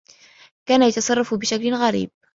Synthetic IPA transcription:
kaːnajɑt̪ɑsˤɑrˤːɑfbɪʃaklɪɣaɾḭːb̚

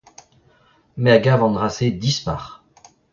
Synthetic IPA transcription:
mɛaɡavɑ̃d̪ʁased̪ispa̰ʁ

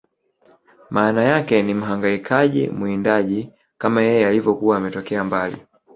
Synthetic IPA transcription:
mʔaːnajakɛnim̩ɦaŋɡaikʰaʄḭmuindaʄi | kamajɛjɛalivɔkuwaːmɛtɔkɛambalḭ

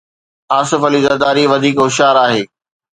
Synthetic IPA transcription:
aːsɪfɐlizɐd̪aːɾiʋɐd̪ʱiːkɦʊʃaːɾaːɦeː

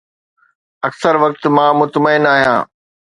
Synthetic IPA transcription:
ɐksəɾʋɐk̚t̪mãːmʊt̪məɪnaːɦijã̰ː

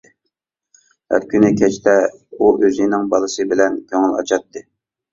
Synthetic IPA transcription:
hæ̰ɾkʲynɪkʲʰɛt͡ʃt̪ʰɛuʔøzinɪŋbɑlˠɨsɨbɪlɛnkʲʰøŋɪlɑ̰t͡ʃʰɑt̪ːɨ

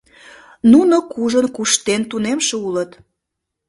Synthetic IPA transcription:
nunokuʒənkuʃt̪ent̪unemʃeulət̪

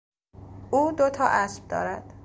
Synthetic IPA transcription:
uːd̪ot̪ʰɒːʔæsb̥̚d̪ɒ̰ːɾæd̪̥

